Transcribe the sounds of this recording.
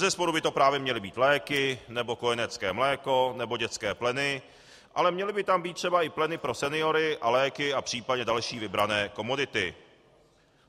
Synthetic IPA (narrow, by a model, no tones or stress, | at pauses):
zɛspo̞ɾubɪt̪opɾaːvjɛmɲɛlɪbiːt̪lɛːkɪnɛbo̞ko̞jɛnɛt͡skɛːmlɛːko̞nɛbo̞ɟɛt͡skɛːplɛnɪ | ʔa̰lɛmɲɛlɪbɪt̪ambiːt̪̚ːr̥ɛbaʔɪplɛnɪpɾo̞sɛnɪo̞ɾɪʔalɛːkɪapr̝̥iːpadɲɛdalʃiːvɪbɾanɛːko̞mo̞dɪt̪ɪ